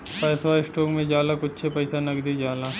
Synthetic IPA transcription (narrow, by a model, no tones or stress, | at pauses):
pɐːsʋaːisʈoːkmẽd͡ʒaːlakʊtːʃʰepɐjsanɐɡd̪id͡ʒaːlaː